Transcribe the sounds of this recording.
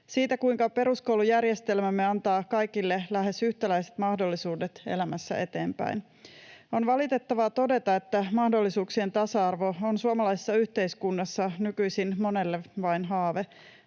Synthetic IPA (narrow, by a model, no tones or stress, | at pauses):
siːt̪ækuiŋkɑpe̞ɾuskoulujærjest̪e̞lmæmːe̞ɑnt̪ɑːkɑjkilːelæhe̞syht̪ælæiset̪mɑhdo̞lːisuːdet̪ḛlæmæsːæ̰ʔet̪e̞ːmpæ̰in | o̞nʋɑlit̪e̞t̪ːɑʋɑt̪o̞de̞t̪ɑe̞t̪ːæmɑhdo̞lːisuːksie̞nt̪ɑsɑɑrʋo̞onsuɑmɑlɑisi̥sːɑyçt̪eiskunːɑsːɑnykyisinmo̞ne̞lːeʋɑinɦɑːʋe